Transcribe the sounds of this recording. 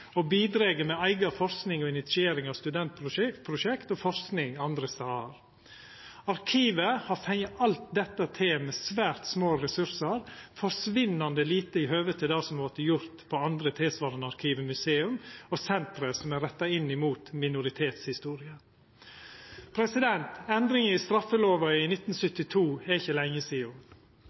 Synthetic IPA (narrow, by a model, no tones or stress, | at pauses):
ɔbiːd̪ɾeːɡəmɛæɪɡɑfɔɾsknɪŋɔɪnɪt̪sɪeːɾɪŋɑʋst̪ʉd̪ɛnt̪̚pʰɾʊpʰɾʊʃɛkt̪ɔfɔɾsknɪŋɑnd̪ɾəsɑːəɾ | ɑɾkʰiːʋəhɑɾfɛŋɑlt̪̚d̪ɛt̪ːət̪ʰɪmɛːsʋæːɾt̪smoːɾɛsʉɾsəɾfɔɾʂʋɪnɑnd̪əliːt̪əɪhøːʋət̪ʰɪd̪ɑːsɔmoʈ̪ːəjʊɾt̪pʰɔɑnd̪ɾət̪ʰɪːsʋɑːɾənɑɾkʰiːʋəmʉseːʉmɔsɛnt̪ɾəsɔmæɾɛt̪ːɑɪnːɪmuːt̪mɪnʊɾɪt̪ʰeːt̪shɪst̪uːɾɪə | pʰɾɛsɪd̪ɛnt̪ɛnd̪ɾɪŋəɪst̪ɾɑfːəloːʋɑɪnɪt̪ːn̩sʏt̪ːɪt̪ʰuːɛɪçːəlɛŋːəsiːʊ